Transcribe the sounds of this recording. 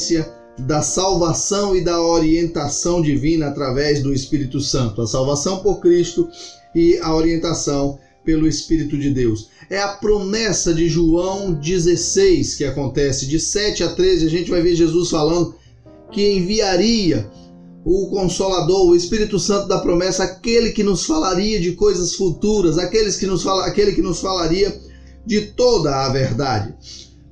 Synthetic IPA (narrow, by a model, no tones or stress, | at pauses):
siɐ | d̪ɐsawvasɐ̃w̃ɪd̪ɐoɾiẽnt̪asɐ̃w̃d͡ʒivĩnɐːt̪ɾavɛzd̪ʊespiɾit̪ʊsɐ̃nt̪ʊɐsawvasɐ̃w̃poɾkɾist̪ʊ | ɪɐoɾiẽnt̪asɐ̃w̃ | pelʊespiɾit̪ʊd͡ʒɪd̪ewsɛɐpɾomɛsɐd͡ʒɪʒuɐ̃w̃d͡ʒizesejskɪakõnt̪ɛsɪd͡ʒɪsɛt͡ʃɪat̪ɾezɪaʒẽnt͡ʃɪvajveɾʒezusfalɐ̃nd̪ʊ | kɪẽj̃viaɾiɐ | ʊkõsolad̪oɾʊespiɾit̪ʊsɐ̃nt̪ʊd̪ɐpɾomɛsɐːkelɪkɪnʊsfalaɾiɐd͡ʒɪkojzɐsfut̪uɾɐzakelɪskɪnʊsfalkelɪkɪnʊsfalaɾiɐ | d͡ʒɪt̪od̪ɐːveɾd̪ad͡ʒɪ̰